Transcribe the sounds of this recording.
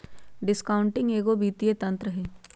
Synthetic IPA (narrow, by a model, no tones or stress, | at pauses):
ɖɪskaːʊ̃ɳʈɪ̃ŋɡeːɡobiːt̪ijet̪ɐ̃nt̪ɾəɦeː